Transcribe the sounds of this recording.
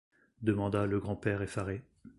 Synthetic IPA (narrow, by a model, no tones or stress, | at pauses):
d̪əmɑ̃d̪aləɡʁɑ̃pɛʁefaʁe